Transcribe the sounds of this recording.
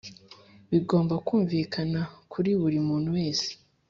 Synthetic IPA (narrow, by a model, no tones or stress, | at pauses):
βiɡo̞ːmbakuːɱvikʰanakʰuɾiβuɾimuːn̥uwe̞ːze̥